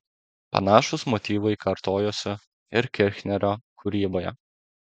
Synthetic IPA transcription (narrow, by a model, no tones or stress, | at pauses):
pɐ̰nɑːʃʊsmɔt̪ʲiːʋʊɪkɐɾt̪oːjoːsʲʊ | ɪɾkʲɪɾʲxʲnʲɛɾʲoːkʰʊɾʲiːboːjɛ̰